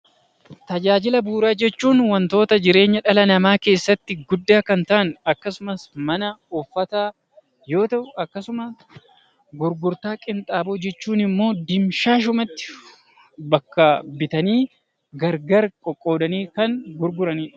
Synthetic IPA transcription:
t̪ɐd͡ʒaːd͡ʒɪlɐbuːɾaːd͡ʒɛt͡ʃːuːnwɐnt̪o̞ːt̪ɐd͡ʒɪɾe̞ːɲːɐᶑɐlɐnɐmaːke̞ːsːɐt̪ːɪɡʊd̪ːaːkɐnt̪ɐʔɐnɐkːɐsʊmɐsmɐnɐɔfːɐt̪aː | joːt̪ɐʊɐkːɐsʊmɐ | ɡʊɾɡʊɾt̪aːkʼɪnt̪ʼaːboːd͡ʒɛt͡ʃːuːnɪmːo̞ːd̪ɪmʃaːʃ̬ʊmɐt̪ːɪ̥ | bɐkːɐbɪt̪ɐniː | ɡɐɾɡɐɾkʼɔkʼːo̞ːd̪ɐniːkɐŋɡʊɾɡʊɾɐniːᶑ

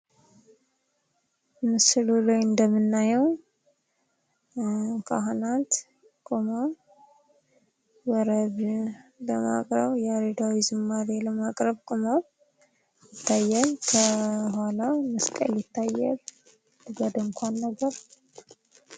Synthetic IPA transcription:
mɨsɨlulojɨnd̪əmːɨnːajɛw | kʰa̰ɦnat̪ | kʼoma | wəɾəβləma̰kʼɾəβjaɾed̪awizɨmːaɾeləmakʼɾəβkʼomaβ | jɪt̪ːajːalkʰəhalaməskʼə̰ljɪt̪ʰːajːɛl | t̪ɨɡəd̪ɨŋkʷʰanːəɡəɾ

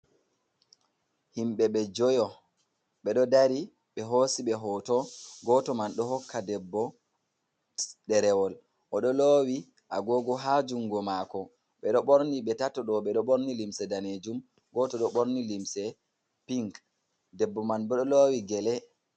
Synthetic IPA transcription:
himɓɛɓɛd͡ʒɔjɔ | ɓɛɗɔdaɾi | ɓɛɦosiɓɛɦɔtɔɡɔtɔmanɗɔhɔkːadɛbːɔ | ɗɛɾɛwɔl | ʔɔɗɔlowi | ʔa̰ɡɔɡɔɦad͡ʒuŋɡɔmakɔ | ɓɛɗɔɓoɾniɓɛtatːɔɗɔɓɛɗɔɓoɾnilimsɛdaned͡ʒum | ɡɔtɔɗɔɓoɾnilimsɛ | piŋk | dɛbːɔmanɓɛɗɔloːwiɡɛlɛ

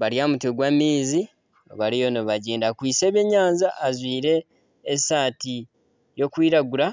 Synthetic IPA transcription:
βaɾjamuteɡwamiːzi | oβaɾijonoβaɟeːndakwiːseːβeɲaːnzaʔːzwiːɾe̞ː | saːti | jo̞kwiːɾaɡuɾa

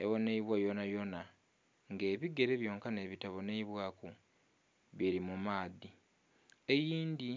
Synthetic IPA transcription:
ḛβo̞neiβwajonajo̞na | ŋɡe̞ːβiɡe̞ɾe̞βjo̞ːŋkane̞βitaβo̞neiβwaːku | βiɾimumaːði | e̞jiːndi

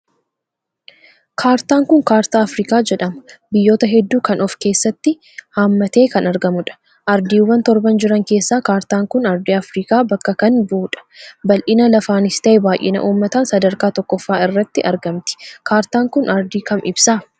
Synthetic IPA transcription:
kʰaːɾt̪aːŋkʊŋkaːɾt̪aːɐfɾiːkaːd͡ʒɛᶑɐmbɪjːo̞ːt̪ɐɦɛd̪ːuːkɐnɔfke̞ːsːɐt̪ːɪ | haːmːɐt̪e̞ːkɐnɐɾɡɐmʊᶑɐ̥ | ʔɐɾd̪iːwːɐnt̪ɔɾbɐnd͡ʒɪɾɐŋke̞ːsːaːkaːɾt̪aːŋkʊnɐɾd̪iːɐfɾiːkaːbɐkːɐkɐnbuːᶑɐ̥bɐlʔɪnɐlɐfaːnɪst̪ɐʔebaːjʔɪ̰nɐ̰ʔuːmːɐt̪aːnsɐd̪ɐɾkaːt̪ɔkːɔfːaːɪrːɐt̪ːɪʔɐɾɡɐmt̪ɪ̥kaːɾt̪aːŋkʊnɐɾd̪iːkɐmɪbsaː

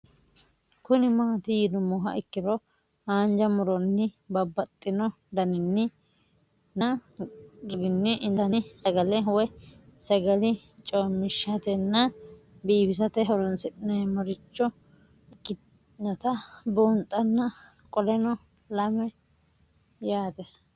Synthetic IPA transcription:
kʊnɪmaːt̪ɪjɪd̪ɔmɔɦɐ̰ʔɪkːɪɾɔ | haːnd͡ʒɐmʊɾɔnːɪbɐbːɐt̪ʼːɪnɔ | d̪ɐnɪnːɪ | nɐ | ɾɡɪnːɪʔɪnd̪ɐnɪsɐɡɐlɛwɔjsɐɡɐlɪ | t͡ʃʼoːmːɪʃːɐt̪ɛnːɐ | biːbɪs̬ɐt̪ɛɦɔlɔnsɪtʼɪnɐmɔɾɪt͡ʃːɔ | ɪkːɪ | nɔt̪ɐbont̪ʼːɐnːɐ | kʼɔlɛnɔ | lɐmɛ | jaːt̪ɛ

